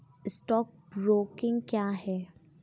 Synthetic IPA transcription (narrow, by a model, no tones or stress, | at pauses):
ɪsʈɔːk̚bɾoːkɪ̃ŋɡkjaːɦɛː